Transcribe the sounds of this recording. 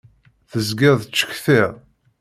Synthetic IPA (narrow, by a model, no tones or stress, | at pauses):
θəzɡɪðˤt͡ʃːə̥çθɪʁ